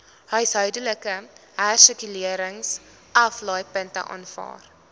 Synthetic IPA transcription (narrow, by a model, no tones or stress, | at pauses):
hœɥsɦœɥdələkəɦærsəkyliəɾəŋs | ʔɐflɑjpəntə̰ʔɑ̰ːnfɑ̰ːr